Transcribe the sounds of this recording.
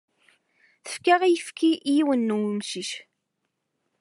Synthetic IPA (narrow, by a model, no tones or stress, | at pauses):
θə̥fkaʁijəfkiʔjiwənːuwmsiʃ